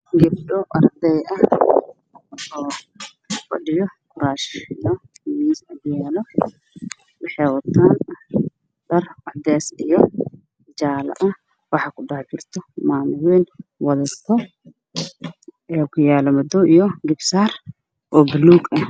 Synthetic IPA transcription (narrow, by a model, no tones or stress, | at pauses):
ɡɪb̚ɖɔʔɐrd̪ɛjʔɐ | ɔː | fɐ̰ɗɪjɔkʰʊɾaːʃɪjɔmiːsɐkʊjaːlɔ | wɑħɛːwɐt̪ʰaːn | dɐrɐħd̪ɛːsijɔ | d͡ʒaːlɐ̰ʔɐ | wɑħɑkʊdaht͡ʃɪrt̪ʰɔmaːmʊwɛːnwɐðɐt̪ʰɔ | ɛːkʰʊjaːlɔmɐd̪ɔʔijɔɡɪbsaːr | ʔɔːbʊluːɡɐh